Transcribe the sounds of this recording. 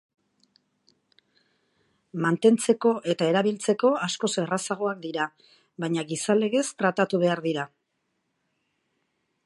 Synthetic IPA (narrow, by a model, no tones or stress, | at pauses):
mant̪e̞nt͡se̞ko̞ʔe̞t̪ae̞ɾaβilt͡se̞ko̞asko̞serasaɣ̞o̞ak̚d̪iɾa | βajɲaɣisale̞ɣe̞st̪ɾat̪at̪uβe̞aɾðiɾa